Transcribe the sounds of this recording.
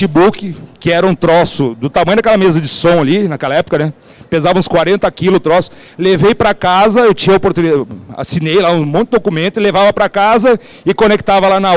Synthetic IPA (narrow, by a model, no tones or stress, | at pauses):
ibukɪkɪɛɾɐũt̪ɾɔsʊd̪ʊt̪amɐ̃jʊd̪ɐkɛlɐmezɐd͡ʒɪsõw̃alinakɛlɐɛpoʊkɐnɛ | pezavɐ̃skwaɾẽnt̪ɐkilʊt̪ɾɔsʊ̥ | levejpɾɐkazɐewt͡ʃĩɲɐopoɾt̪unia̰sinejlaũmõnt̪ɪd̪okumẽnt̪ʊɪlevavɐpɾɐkazɐ | ɪkonek̚t̪avɐlanɐ